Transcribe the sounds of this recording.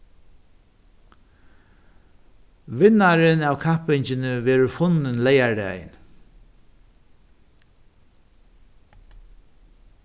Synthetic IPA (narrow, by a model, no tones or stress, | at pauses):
ʋɪnːaɾɪnæːwkʰahpɪɲt͡ʃɪnɪʋɛːɾʊfʊnɪnlɛjaɹdæ̰jɪ̰n